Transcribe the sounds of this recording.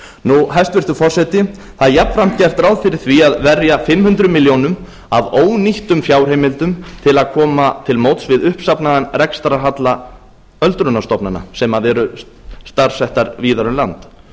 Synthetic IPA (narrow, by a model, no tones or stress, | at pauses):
nuɦajst̪vɪɾ̥t̪ʏfɔr̥sɛt̪ɪ | θaðjapn̥fɾam̥t̪̚cɛr̥t̪ɾawðfɪɾɪɾ̥θviaðvɛrjafɪmhʏnt̪ɾʏmiljownʏm | avoːwniht̪ʏmfjaːwr̥heːjmɪlt̪ʏmt̪ʰɪlaðkʰɔːmat̪ʰɪlmowt̪svɪðʏhpsapnaðanrɛkst̪aɾaɦat̪la | œlt̪ɾʏnast̪ɔpnana̰sɛmaðɛɾʏ | st̪aɾ̥sɛht̪aɾviːðaɾʏmlant̪